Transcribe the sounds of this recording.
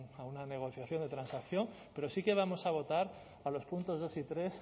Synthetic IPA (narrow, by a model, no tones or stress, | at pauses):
aunane̞ɣ̞o̞θjaθjo̞nd̪e̞t̪ɾansakθjo̞m | pe̞ɾo̞sike̞β̞amo̞saβ̞o̞t̪aɾ | alo̞spunt̪o̞zð̞o̞sit̪ɾe̞s